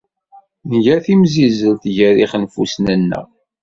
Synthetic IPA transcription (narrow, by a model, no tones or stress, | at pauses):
nʝæθimzizəlθʝæɾiχnfusnənːə̰ʁ